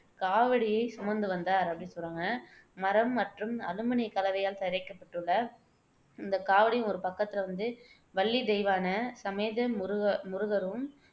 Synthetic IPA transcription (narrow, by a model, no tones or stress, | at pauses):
kaːʋɐɽɪjɐɪsɐmɐnd̪ɯʋɐnd̪aːɾɐpːɐɽɪnsɔlrːaːŋɡɐmɐɾɐmːɐʈrɯmɐlɯmɐnɪkɐlɐʋɐjaːlt̪ɐɾɐɪkːɐpːɐʈːɯɭːɐ | ɪnd̪ɐkaːʋɐɽɪjɯ̃mɔɾɯpɐkːɐt̪ːɪlɐʋɐnd̪ɯ | ʋɐɭːid̪ɛjʋaːnɐsɐmeːðɐmɾmʊɾɯɣɐɾɯm